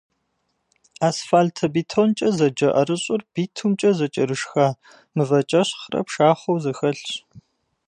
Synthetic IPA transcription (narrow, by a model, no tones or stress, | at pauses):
aːsfaːltʰɐbiːtʰont͡ʃʼɐzɐd͡ʒɐʔɐɾɨɕʼʊrb̥iːtʰumt͡ʃʼɐzɐt͡ʃʼɐɾɨʂxaː | mɨvɐt͡ʃʼɐɕχrɐ̰pʃaːχʷowzɐxɐɬɕ